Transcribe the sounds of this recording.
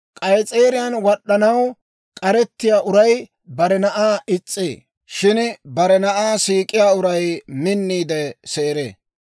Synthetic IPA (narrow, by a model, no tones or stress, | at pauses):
kʼɐjt͡sʼeːɾɪjanwɔɗːɐnɐw | kʼɐɾɛt̪ːɪjaːʔʊɾɐj | bɐɾɛnɐʔaːɪt͡sʼːḛː | ʃɪnbɐɾɛnɐʔaːsiːkʼɪjaːʊɾɐjmɪnːiːd̪ɛseːɾḛː